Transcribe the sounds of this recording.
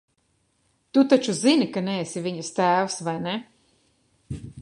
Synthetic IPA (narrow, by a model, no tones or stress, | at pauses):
t̪ut̪at͡ʃuzinikanɛːsivʲiɲɐst̪æːwsvajne